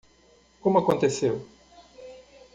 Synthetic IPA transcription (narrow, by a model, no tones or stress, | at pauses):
kõmʊakõnt̪esew